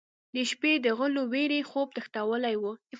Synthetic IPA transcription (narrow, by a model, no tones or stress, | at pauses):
d̪əʃped̪əɣʊloweɾexob̚t̪əxt̪awəlajwu